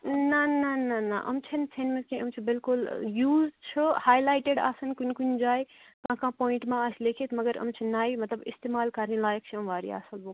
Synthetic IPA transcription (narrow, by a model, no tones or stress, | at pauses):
nananana̰ʔɐ̰mt͡sʰint͡sʰenmet̪kĩəmt͡ʃʰibilkuljuzɖt͡ʃʰuhaːjlaːjʈeɖa̰ːsɐnkunkund͡zaj | kãːkãpoːĩɳʈmãəslekʰet̪mɐɡəɾə̰mt͡ʃʰinːaːjmɐt̪ləbḭst̪emaːlkɐɾnilaːjək̚t͡ʃʰiɐmʋaːɾḭa̰ːsɐlbo